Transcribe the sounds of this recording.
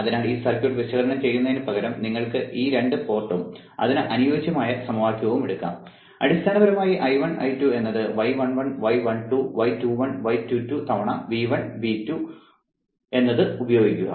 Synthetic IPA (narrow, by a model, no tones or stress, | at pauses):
ɐðinaːɭiːsɐrkʲːjoʈːʋiɕɐɣɐɾɐɳɐmt͡ɕe̞jːunːɐðinɨpɐɣɐɾɐmniŋːɐɭkɨiːɾe̞ɳɖɨpo̞ːrʈːɐm | ɐ̰ðinɨʔɐnujoːt͡ɕjɐmaːjɐsɐmʋaːkʲːjɐɣɐʋumeɽukːa̰ːm | ɐ̰ɽist̪ʰaːnɐbɐɾɐmaːjiʔɐjʋɐɳʔɐ̰jtːue̞nːɐðɨʋɐjʋɐɳʋɐɳʋɐjʋɐɳʈuʋɐjtuːʋɐɳʋɐjtutut̪ɐʋɐɳɐʋiːʋɐɳʋiːtːu | e̞nːɐðɨubɐjoːɡikʲːuɣɐ̰